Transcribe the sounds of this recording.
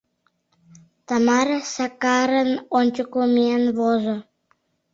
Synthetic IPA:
t̪amaɾsakaɾənonʲt͡ʃəkumenβozo

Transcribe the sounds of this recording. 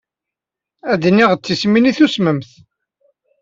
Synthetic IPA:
æd̪niʁt͡sːisminiθusməmθ

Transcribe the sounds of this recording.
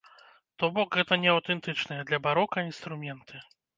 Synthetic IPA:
t̪ɔbɔkɣɛt̪ɐnʲɛɐwt̪ɛnt̪ɨt͡ʂnɐjɛd̪lʲɐbaɾɔkɐinst̪ɾumʲɛnt̪ʰɨ

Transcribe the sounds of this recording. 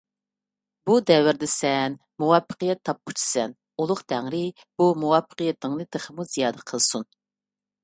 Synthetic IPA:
bud̪ɛwɪɾd̪ɛsɛn | muwɑpːə̥qɨjɛt̪ʰːɑp̚ku̥t͡ʃʰi̥sɛn | ulˠʊqt̪ʰæŋɾɪ | b̥umuwɑfːə̥qəjɛt̪ʰːɪŋnɨd̪əχəmuzijɑːd̪ɛqʰəlˠsun

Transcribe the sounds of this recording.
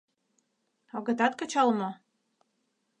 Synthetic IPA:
ɑɣɤ̆t̪ɑt̪kɤ̆t͡ɕɑlmo

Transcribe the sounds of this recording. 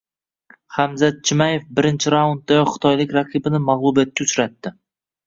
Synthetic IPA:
χamzat̪̚t͡ʃʰɪmaje̞fbɪɾɪnt͡ʃʰɪɾaund̪̚d̪ajɒχɨ̥t̪ʰɒjlɪkʲɾaqʰibɪnɪmaʁlˠubijat̪̚kʲaʊt͡ʃɾat̪ːɪ

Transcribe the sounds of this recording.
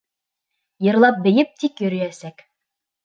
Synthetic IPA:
jɤ̆ɾlˠɑp̚bɘ̆jɘp̚t̪ikjɵ̆ɾɘ̆jæsæk

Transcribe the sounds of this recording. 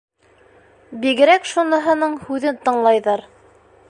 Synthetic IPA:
biɡɘ̆ɾækʃunɤ̆ɦɤ̆nɤɴhʉðɘnt̪ɤ̆ɴlˠɑjðɤɾ

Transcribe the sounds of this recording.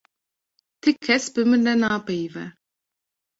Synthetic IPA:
t̪ʰɨkʰːɛsbɨmɨɾnɛnaːpɛjvɛ

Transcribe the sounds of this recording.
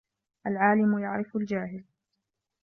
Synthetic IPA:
ʔalʕaːlɪmʊjaʕɾɪfʊld͡ʒaːhɪl

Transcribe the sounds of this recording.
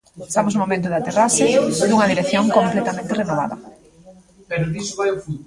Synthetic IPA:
est̪amʊsnumomẽnt̪ʊðeat̪erasɪd̪uŋɐðiɾekθjoŋkomplet̪amẽnt̪ɪrenoβa̰ðɐ̰ | peɾoðisoβajufu

